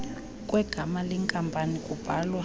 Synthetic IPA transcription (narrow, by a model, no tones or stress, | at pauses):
kʼwɛɡ̥ʱamalɛŋkʼampʼanikʼub̥ʱalwa